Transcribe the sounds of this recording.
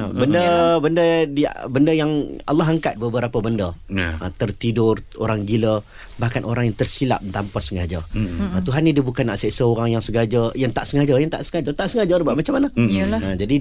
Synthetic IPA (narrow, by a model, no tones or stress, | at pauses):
əbəndəbəndədibəndəjaŋa̰lːɔɦaŋkat̪̚bəbəɾapəbəndəə̰t̪ərt̪idʊro̰ɾaŋɡilə | bahkanʔoɾaŋjaŋt̪ərsila̰p̚t̪ampasəŋad͡ʒəət̪uɦanːidiəbukanːaʔsəsəoɾaŋjaŋsəɡad͡ʒəjaŋt̪aʔsəŋad͡ʒəjaŋt̪a̰ʔsəŋad͡ʒət̪aʔsəŋad͡ʒəɾbaʔmat͡ʃamːanaəd͡ʒadi